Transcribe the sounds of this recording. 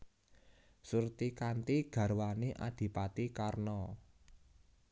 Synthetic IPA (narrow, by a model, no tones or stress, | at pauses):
surt̪ikant̪iɡ̥ä̤ɾwaneʔa̰d̪̥i̤pat̪ikarnɔ